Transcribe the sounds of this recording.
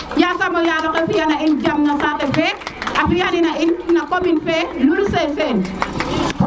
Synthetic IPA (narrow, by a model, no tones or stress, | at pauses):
jasamɔjaɾɔkɛfijanaind͡ʒamnasatɛfɛafijaninainːakominfɛlulusɛsɛn